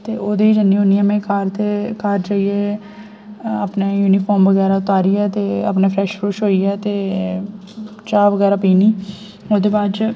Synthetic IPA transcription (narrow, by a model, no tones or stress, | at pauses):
t̪eːʔoːd̪eːiːd͡ʒənːiːɦoːnijãːmẽːkaːɾt̪ekaːɾd͡ʒaːieː | aːpneːjuːniːfʰɔːɾmʋəɣɛːɾaːʊt̪aːɾiːɛːt̪eːa̰pneːpʰɾɛːʃfɾuːʃɦoːiːɛːt̪eː | t͡ʃaːʋəɡɛːɾaːpiːniː | oːd̪eːbaːd̪d͡ʒ